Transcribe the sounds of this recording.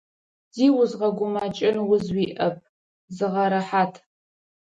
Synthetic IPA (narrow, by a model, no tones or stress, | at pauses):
z̥iːwʊzʁɐɡʷʊmat͡ʃʼɪnwʊzwiːʔɐp̚ʰ | zɨʁɐɾɐħaːtʰ